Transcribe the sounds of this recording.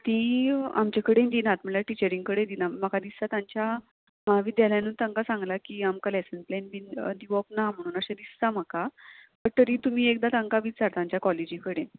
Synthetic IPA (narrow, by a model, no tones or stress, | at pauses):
t̪ĩa̰mt͡ɕakəɽẽnd̪inat̪mɛlaʈit͡ɕəɾĩŋɡ̚kəɽẽd̪inaməkad̪isat̪ãɲt͡ɕja | maaʋid̪jaljanuːnt̪ãŋkasãŋɡlakiamkalɛsənplenbind̪iʋɔpnam̤əɽ̃uːnəɕãd̪ist̪am̤akatəɾt̪əɾiːt̪um̤iːekd̪at̪aŋkaʋit͡saɾt̪ãɲt͡ɕjakɔled͡ʑikəɽen